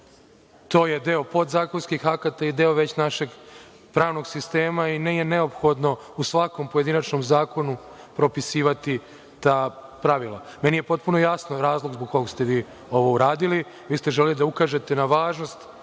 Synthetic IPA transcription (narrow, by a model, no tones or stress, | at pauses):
t̪o̞ːje̞d̪eopo̞d̪zaːkonskixakat̪aid̪eoʋet͡ɕnaʃe̞ɡ | pɾaːʋno̞ɡsist̪e̞ːmainejene̞o̞pxo̞d̪no̞ | usʋako̞mpoje̞d̪inat͡ʃnomzaːko̞nu | pɾo̞pisiːʋat̪i | t̪aːpɾaʋilˠa̰menije̞po̞t̪̚puno̞jasnoɾaːzlˠo̞ɡzboɡ̚koɡst̪eʋiː | o̞ʋo̞uɾaːd̪ili | ʋiːst̪eʒelelid̪aukaːʒe̞t̪e̞naʋaːʒno̞st̪